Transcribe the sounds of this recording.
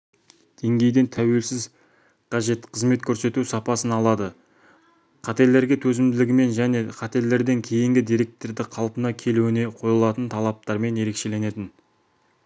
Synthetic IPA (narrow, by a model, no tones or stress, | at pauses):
d̪̥e̞ŋɡʲe̞jd̪e̞nt̪ʰæwe̞lsɪz | qʰɑʒe̞t̪qʰəzme̞t̪kʲʰɵɾse̞t̪usɑpɑsənɑlˠɑd̪ə | qʰɑt̪e̞ɾlːe̞ɾɡʲe̞t̪ʰɵzɪmd̪ɪlɪɡʲɪme̞nʒæne̞qʰɑt̪e̞le̞ɾd̪e̞ŋkʲʰe̞jɪŋɡʲɪd̪ijɾe̞k̚t̪ːe̞ɾd̪ɪqʰɑlˠpənɑkʲʰe̞luɪneqʰo̞jəlˠɑt̪ənt̪ʰɑlˠɑp̚t̪ɑɾme̞nje̞ɾe̞kʃe̞le̞ne̞t̪ɪn